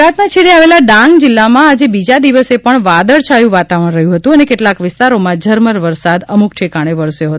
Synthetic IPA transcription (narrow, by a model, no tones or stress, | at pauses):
at̪mãt͡ʃʰeɭeaʋelaɖãŋɡd͡ʒɪlːamãad͡ʒebid͡ʒad̪iʋəsepəɳʋad̪əɭt͡ʃʰajũʋat̪aʋəɽ̃ɾəɦjũɦət̪ũənekeʈlakʋɪst̪aɾomãd͡ʒʱəɾməɾʋəɾsad̪əmukʈʰekaɽ̃eʋəɾsjoɦət̪